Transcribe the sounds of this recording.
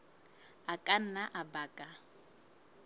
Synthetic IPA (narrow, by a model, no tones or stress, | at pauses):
akʼan̩naʔabaːkʼa